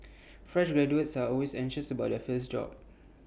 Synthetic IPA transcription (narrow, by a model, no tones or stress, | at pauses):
fɹɛʃɡɹɛd͡ʒuətsaɔlwesɛ̃ŋʃəsəbaʊt̚dəfəsd͡ʒɔ̰p̚